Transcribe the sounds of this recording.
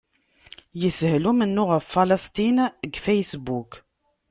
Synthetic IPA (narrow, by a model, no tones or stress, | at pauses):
jəshlumənːʊʁəfːaləst̪inəɡfæjsbuk